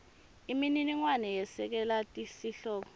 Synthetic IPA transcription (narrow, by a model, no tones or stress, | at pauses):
imininiŋwanɛjɛsɛk̬ɛlatʼisiɬɔːɓɔ